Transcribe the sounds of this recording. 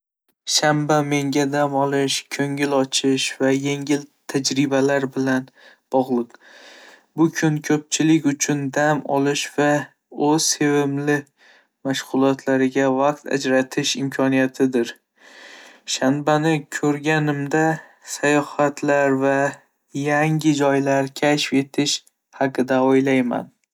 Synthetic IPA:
ʃambame̞ŋɡʲad̪amɒlˠɪʃkʰɵŋɪlɒt͡ʃʰɪʃvaje̞ŋʲɪlt̪ʰad͡ʒɾɪbalaɾbɪlan | b̥ɒʁlˠɨq | bʊkʰʊnkʲʰɵp̚t͡ʃʰɪlɪkʲʊt͡ʃʰʊnd̪amɒ̰lˠɪʃva | ɵz̥se̞vɪmlɪ | maʃʁʊlˠɒt̪ʰlaɾɪɡʲavaq̚t̪ʰa̰d͡ʒɾat̪ʰɪʃɪmkʰɒnijat̪ʰɪd̪ɪɾ | ʃanbanɪkʲʰɵɾɡʲanɪmd̪asajɒhat̪ʰlaɾva | jaŋʲɪd͡ʒɒjlaɾkʲʰaʃfe̞t̪ʰɪʃ | haqɨd̪aojlajma̰n

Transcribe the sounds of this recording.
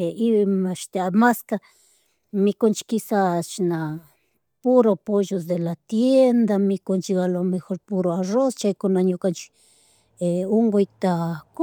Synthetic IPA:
eiβmãʃt̪eamaska | mĩkont͡ʃi̥kisat͡ʃinã | puɾopoʒos̬d̪elat̪jend̪amĩkont͡ʃiɣalomẽxoɾpuɾoarost͡ʃaikonãɲũkant͡ʃi̥ | euŋɡoit̪ak

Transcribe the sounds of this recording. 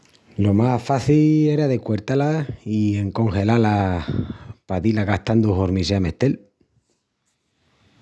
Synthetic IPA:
lo̞mafaθie̞ɾaðekwe̞ɾt̪alaie̞ŋko̞ŋxe̞lala | pat̪ilaɣaht̪and̪uɦoɾmis̬eame̞̰ht̪e̞l

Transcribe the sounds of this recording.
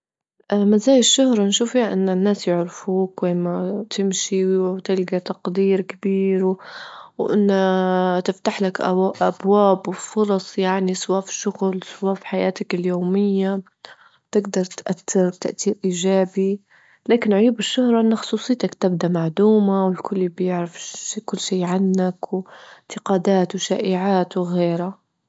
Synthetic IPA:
ʔmazaːjɪʃːʊhɾˤɑnʃuːfihaʔɪnːanːaːsjʊʕɾɪfuːkweːmat̪ɪmʃiwt̪ɪlɡat̪ɑqd̪iːɾkɪbiːɾ | wʔɪ̰nːat̪ɪft̪aħlakʔʔa̰bwaːbwfʊɾˤɑsˤjaʕnisˤwaːfʃʊɣlsˤwaːfħajaːt̪akɪljoːmɪjːa | t̪ɪɡd̪ɑɾˤt̪ʔat̪ːɪɾbt̪a̰ʔt̪iːɾʔiːʒaːbi | laːkɪnʕʊjuːbɪʃːʊhɾˤɑʔɪnːaxʊ̥sˤuːsˤɨjːt̪akt̪ɪb̚d̪amaʕd̪uːmawɪlkʰʊlːibjɪʕɾafkʊlːʃiːʕanːakwɪnt̪ɪqɑːd̪aːt̪wʃa̰ːʔɪʕaːt̪wɣeːɾa

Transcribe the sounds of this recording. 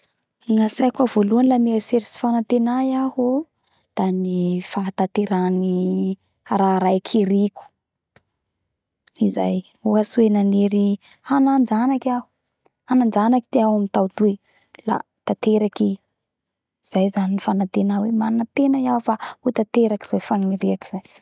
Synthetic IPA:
ŋasajkavoluanilameaseɾisi̥fanant̪enajaɦo | d̪̥anifaɦt̪at̪eɾani | ɾaɾajkʰiɾiku̥ | iza̰j | uasuwenaneɾi | hanand͡zanakʲahu̥ | hanand͡zanaki̥t̪iaɦwamit̪awt̪ue | la̰ | t̪at̪eɾakiː | z̥ajzaninifanant̪enawemanat̪enajaufahut̪at̪eɾaki̥z̥ajfaniɾeaki̥z̥aj

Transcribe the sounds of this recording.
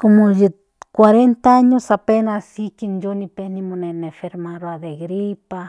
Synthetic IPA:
komoʒi | kwaɾent̪aaɲosapenasikind͡ʒonipenimonenẽfeɾmaɾoad̪eɡɾipa

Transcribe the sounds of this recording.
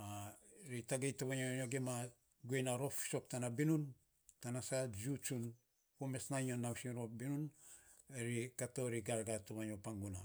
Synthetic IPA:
aɾitaɡejtoβaɲoɲoɡema | ɡuenaɾo̞fi̥so̞k̚tanabinun | tanasad͡ʒut͡ʃun | kume̞snaɲonawsiɾobinun | eɾikato̞ɾiɡaɾɡatoβaɲopaŋɡuna̰

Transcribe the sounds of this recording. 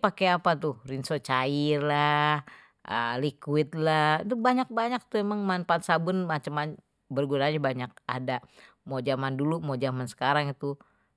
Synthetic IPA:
pakeapat̪uhrinsot͡ʃairlah | ʔəlikwɪt̪̚lat̪ubaɲak̚baɲak̚t̪uemaŋmanpansabʊnmat͡ʃəmaɲ | bərɡunaɲabaɲak̚a̰da | mod͡ʒamandulumod͡ʒamansə̥kaɾaŋit̪u

